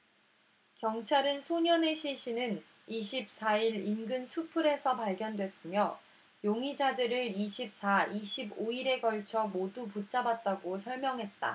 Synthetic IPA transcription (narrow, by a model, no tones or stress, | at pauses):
kjʌŋt͡ɕʰaɾɯnsʰoɲʌne̞ɕʰiɕʰinɯn | iɕʰip̚s͈aiɾinɡɯnsʰupʰɯɾe̞sʰʌpaɭɡjʌndwe̞s͈ɯmjʌ | joŋid͡ʑadɯɾɯɭiɕʰip̚s͈ʰaiɕʰiboiɾe̞ɡʌɭt͡ɕʰʌmoduput͡ɕ͈abat̚t͈aɡosʰʌɭmjʌŋɦe̞t̚t͈a̰